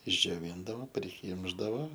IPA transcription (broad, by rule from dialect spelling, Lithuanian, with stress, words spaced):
ɪʒʲd͡ʒʲoːˈʋʲiːndɐʋoː pʲrʲɪˈkʲiːmʒdɐʋoː